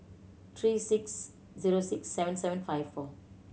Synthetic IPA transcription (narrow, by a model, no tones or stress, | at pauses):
t̪ʰɹiːsiks | ziɹosiksːɛvə̃nsɛvə̃nfajvfɔ